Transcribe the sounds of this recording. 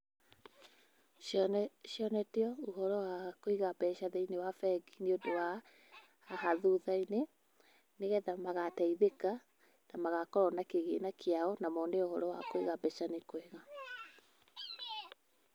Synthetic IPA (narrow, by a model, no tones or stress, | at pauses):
ʃjɔnɛteɔoɦɔɾɔwakoiɣabɛɕaðɛinewafɛɡineodowaː | ɦaðuðaine | neɣɛðamaɣatɛiðeka | namaɣakɔɾɔnakeɣenakeaɔnamɔneohɔɾɔwakoiɣabɛʃanekoweɣa